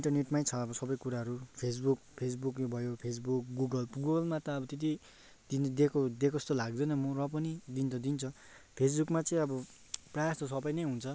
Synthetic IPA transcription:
iɳʈʌrneʈmajt͡sʰʌʌbʌsʌbʌjkuɾaɦʌɾupʰes̬buk̚pʰes̬bukjobʱʌjopʰes̬buk̚ɡuɡʌlɡuɡʌlmat̪ʌʌbʌt̪et̪̬i | d̪ind̪ekʰod̪ekʰost̪olaɡ̚d̪ʌnʌmʌrʌp̬ʌnid̪int͡sʰʌd̪int͡sʰʌ | pʰes̬bukmat͡sʌĩʌbʌ | prajast̪os̬ʌbʌjnʌjɦunt͡sʰʌ

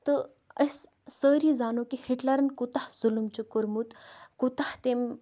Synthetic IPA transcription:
t̪ɨ | əsː | əːɾizaːnokihiʈlɐɾɐnkut̪ahz̥ulumt͡ɕukuɾmut̪kut̪aht̪em

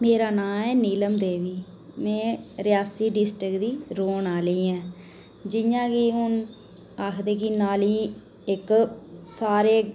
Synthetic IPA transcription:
meːɾaːnãːɛːniːləmd̪eːʋiː | mɛ̃ːɾɪjaːsiːɖɪsʈɾɪkd̪iːɾoːnaːləiːɛ̃ː | d͡ʒɪjãːkiːɦʊn | aːkʰd̪eːk̬ɪnaːliː | ɪksaːɾeː

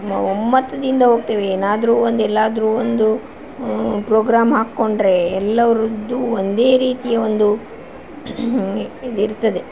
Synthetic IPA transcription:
mɐ̰omːɐt̪ːɐd̪ind̪ɐɦoːɡ̚t̪eːʋeeːnaːd̪ɐɾuːond̪ɛlːaːd̪ɐɾuːond̪u | pɾoːɡɾaːmɦaːkːo̞ɳɖɾe̞ɛlːɐʋɐɾud̪ːuond̪e̞ːɾiːt̪ijɐʋond̪u | id̪iɾt̪ːɐd̪e̞

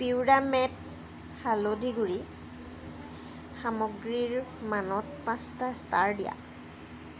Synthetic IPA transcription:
piwdamɛt | xalodʱiɡuɹi | xamɔɡɹiɹmanɔtpãstastaɹdija̰

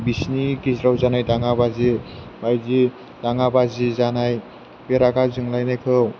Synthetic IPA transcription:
bisnikisɾawzanajdaŋabazibajzi | d̥aŋabazizanaj | beɾaɡazɯŋlajnajkʰɯw

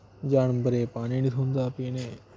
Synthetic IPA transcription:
d͡ʒaːɳbəɾeːpaːniːniːt̪ʰɦʊ̃nd̪aːpiːneː

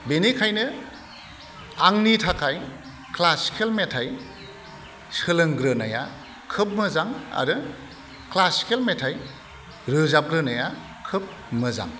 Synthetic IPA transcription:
benikʰajnɯ | aŋnitʰakʰaj | kʰlasi̥kʰelmetʰaj | sɯlɯŋɡɾɯnaja | kʰɯp̚mɯzaŋa̰ɾɯ | klasi̥kʰelmetʰaj | ɾɯzap̚ɡɾɯnaja | kʰɯp̚ | mɯza̰ŋ

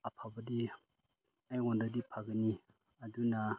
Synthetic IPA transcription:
apʰabɐdi | ajɡɔndadipʰaɡɯni | aduna

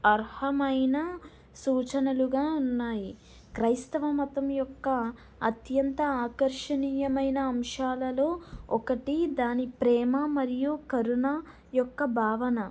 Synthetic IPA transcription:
ɐɾhɐmɐjnɐ | suːt͡ʃɐnuluɡaːunːaːji | kɾɐjst̪ɐʋɐmɐt̪ɐmjɔkːɐ | ɐt̪jɐnt̪ɐaːkɐɾʂɐɳijɐmɐjnɐɐmʂaːlɐlo̞ːɔkɐʈid̪aːnipɾɛːmɐmɐɾijukɐɾunɐ | jɔkːɐbʱaːʋɐnɐ

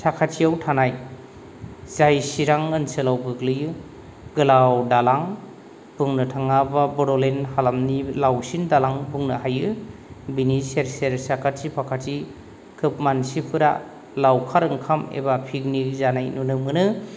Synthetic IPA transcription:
sakʰatsiawtʰanaj | zajsiɾaŋɯnsɯlawɡɯɡlɯjɯ | ɡɯlawdalaŋ | b̥uŋnɯtʰaŋababɔɾɔlenhalamnilawsindalaŋbuŋnɯɦajɯbiniseɾseɾsakʰatsipʰakʰati | kʰɯp̚mansipʰɯɾa | lawkʰaɾɯŋkʰamḛbapʰiɡnizanajnunɯmɯnɯ

